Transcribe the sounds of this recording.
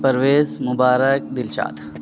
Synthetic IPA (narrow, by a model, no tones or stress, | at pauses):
pəɾʋeːzmʊbaːɾək̚d̪ɪlʃa̰ːt̪ʰ